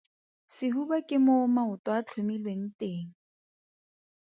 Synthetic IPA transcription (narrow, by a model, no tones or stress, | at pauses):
sɪɦubakʼɪmʊmaʊtwat͡ɬʰʊmilweŋ̩teːŋ̩